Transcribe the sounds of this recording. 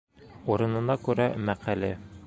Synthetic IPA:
uɾɤ̆nɤ̆nɑkʉɾæmæqælɘ

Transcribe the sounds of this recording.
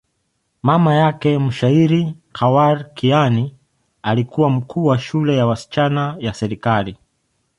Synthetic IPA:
mamajakɛm̩ʃaiɾikawaɾkiani | alikuwam̩kʰuːwaʃulɛjawasi̥t͡ʃanajasɛɾikali

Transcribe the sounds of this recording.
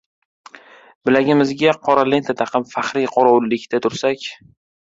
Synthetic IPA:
bɪlaɡʲɪmɪzɡʲaqʰɒɾale̞nt̪ʰat̪ʰaqɨmfaχɾiqʰɒɾaʊlːɪkʲt̪ʰat̪ʰʊɾsakʲ

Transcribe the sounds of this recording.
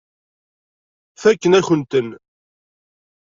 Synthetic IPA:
θækːənæçənt̪ən

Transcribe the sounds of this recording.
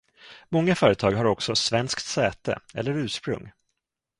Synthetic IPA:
mɔŋːafœːɾət̪ʰɑːɡɦaɾɔksɔsvɛnskt̪sɛːt̪ə̰ɛ̰lːəɾʉ̟ːʂpɾɵ̰ŋː

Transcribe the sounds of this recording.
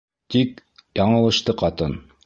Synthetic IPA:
t̪ik̚ | jɑɴɤ̆lˠɤ̆ʃt̪ɤqɑt̪ɤn

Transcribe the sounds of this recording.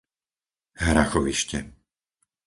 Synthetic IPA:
ɦɾaxɔʋiʃcɛ̰

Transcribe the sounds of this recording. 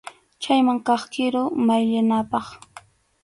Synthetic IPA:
t͡ʃajmaŋkɑχkɪɾʊmajʎanapɑχ

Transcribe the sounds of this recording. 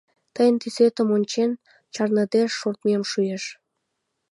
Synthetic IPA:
t̪əjənt̪yset̪ə̆monʲt͡ɕen | t͡ɕɑrnəd̪eʃːort̪memʃujeʃ

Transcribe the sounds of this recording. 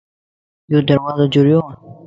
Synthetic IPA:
joːd̪əɾwaːzad͡ʑuɾjo

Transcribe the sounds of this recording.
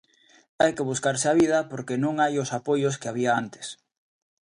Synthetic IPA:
ajkeβuskaɾseaβiðɐpoɾkenõŋajʊsapojoskeaβiaant̪ɪ̥s

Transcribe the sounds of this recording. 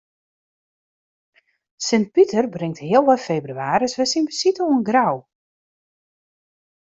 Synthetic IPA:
sɪnt̚pitərbrɪŋtɦɪəlˠʋɔjfejbryaːrəsʋɛjsinbəsitoənɡraw

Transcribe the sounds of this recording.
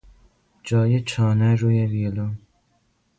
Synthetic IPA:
d͡ʒɒːjet͡ʃʰɒːnæɾuːjevilo

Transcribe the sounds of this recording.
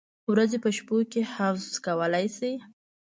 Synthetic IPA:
wɾazepəʃpokehafzzkawəlajsi

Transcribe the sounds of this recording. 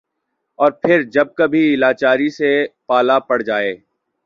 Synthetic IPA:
ɔːɾpʰɪɾd͡ʒɐb̚kɐbʱiɪlaːt͡ʃaːɾisepaːlapɐɽd͡ʒaːeː

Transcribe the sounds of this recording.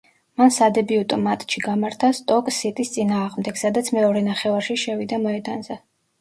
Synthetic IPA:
mansad̪ɛbiut̪ʼɔmat̪ʼt͡ʃʰiɡamaɾt̪ʰast̪ʼɔkʼsit̪ʼist̪sʼinaːʁmd̪ɛɡ̥sad̪at̪sʰmɛɔɾɛnaχɛvaɾʃiʃɛvid̪amɔɛd̪ʼanzɛ

